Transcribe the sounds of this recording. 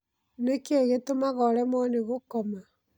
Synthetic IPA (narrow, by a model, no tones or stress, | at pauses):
nekeɣetomaɣɔɾɛmɔneɣokɔma